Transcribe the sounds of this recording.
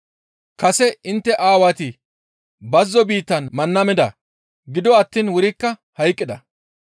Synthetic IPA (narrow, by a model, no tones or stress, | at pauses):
kɐsɛɪnt̪ːɛʔaːwat̪ɪ | bɐzːɔbiːt̪ːɐnmɐnːɐmɛd̪ɐ̰ | ɡɪd̪ɔɐt̪ːiːnwʊɾɪkːɐhɐjkʼːɪd̪ɐ